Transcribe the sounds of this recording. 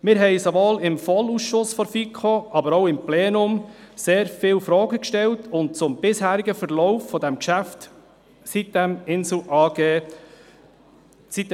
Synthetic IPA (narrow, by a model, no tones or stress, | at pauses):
mɪɾɦɛɪsovoːlɪmfɔlusʃʊsfɔɾfikʰoʔɑbəɾoʊɪmpleːnʊmseːɾfɪːlfɾɔːɡəkʃtɛltʰʊntt͡sʊmbɪshæːɾiɡəfəɾlɔʊfːɔdæmkʃæft | sit̚dæmɪnsl̩ʔɑːɡ̥eː | sit